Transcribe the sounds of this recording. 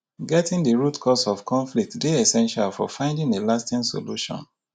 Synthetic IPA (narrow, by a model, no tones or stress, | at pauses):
ɡɛtĩŋdiɹutkʰɔsɔfkʰɔ̃nflik̚tdeɛsɛ̃nʃalfɔfãɪ̃ndĩŋelastĩŋso̰luʃɔ̰̃n